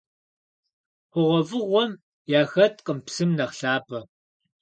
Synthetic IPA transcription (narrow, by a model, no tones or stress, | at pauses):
qʷʊʁʷɔvɨʁʷɔm | jaːxɐtʰʼqʼəmpsɨmnɐχɬaːpʰʼɐ